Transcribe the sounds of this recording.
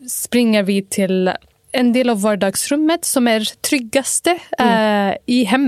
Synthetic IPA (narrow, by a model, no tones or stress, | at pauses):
spɾɪŋːəɾʋɪt̪ʰɪl | ɛnd̪eːlɑʋːɑːɖɑːɡsɾʉmːət̪sɔmæːɾt̪ʰɾʏɡɑst̪ə | ɪɦɛm